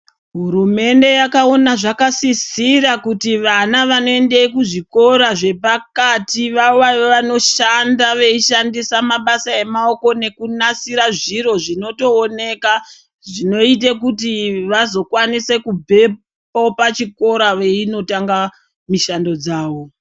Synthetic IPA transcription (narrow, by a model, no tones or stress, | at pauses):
ɦuɾume̞nde̞jakao̞naʐakasisirakutiʋanaʋano̞e̞nde̞ikuʐiko̞ɾaʐe̞pakatiʋaoʋaʋoʋano̞ʃandaʋe̞iʃandisamaɓasae̞mao̞ko̞ne̞kunasiɾaʐiɾo̞ʐino̞to̞ːne̞ka | ʐino̞it̬ek̬utiʋazo̞kwanise̞kubʱe̞ | popat͡ʃiko̞ɾaʋeino̞taŋɡa | miʃando̞d͡zaːʋo̞